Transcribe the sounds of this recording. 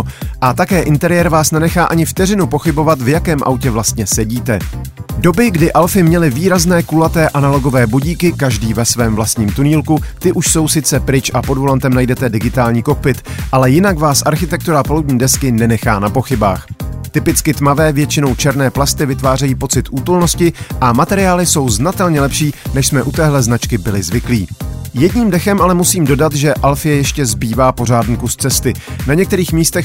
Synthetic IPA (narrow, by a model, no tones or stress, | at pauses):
ʔat̪akɛːʔɪnt̪ɛɾɪjɛɾvaːsnɛnɛxaːʔaɲɪft̪ɛrɪnupo̞xɪbo̞vat̪vjakɛːmʔa̰wcɛvlast̪ɲɛsɛɟiːt̪ɛdo̞bɪɡdɪʔalfɪmɲɛlɪviːɾaznɛːkulat̪ɛːʔanalo̞ɡo̞vɛːbuɟiːkɪkaʒdiːvɛsvɛːmvlast̪ɲiːmt̪uniːlkut̪ɪʔuʃso̞wsɪt͡sɛpɾɪt͡ʃʔapo̞dvo̞lant̪ɛmnajdɛt̪ɛdɪɡɪt̪aːlɲiːko̞k̚pɪt̪ʔalɛjɪnakvaːsʔaɾxɪt̪ɛk̚t̪uɾapoluwdɲiːdɛskɪnɛnɛxaːnapo̞xɪba̰ːxt̪ɪpɪt͡skɪt̪mavɛːvjɛt͡ʃɪno̞wt͡ʃɛɾnɛːplast̪ɪvɪt̪vaːrɛjiːpo̞t͡sɪt̪ʔuːt̪olno̞scɪʔamat̪ɛɾɪjaːlɪso̞wznat̪ɛlɲɛlɛpʃiːnɛʃsmɛʔut̪ɛːɦlɛznat͡ʃkɪbɪlɪzvɪkliːjɛdɲiːmdɛxɛmʔalɛmusiːmdo̞dat̪ʒɛʔalfɪjɛjɛʃcɛzbiːvaːpo̞r̝aːdnukust̪t͡sɛst̪ɪnaɲɛkt̪ɛɾiːxmiːst̪ɛx